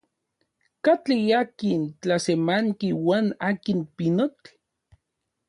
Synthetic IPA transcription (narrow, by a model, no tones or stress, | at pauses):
kat͡ɬijakint͡ɬasemaŋkiwaːnaːkinpinot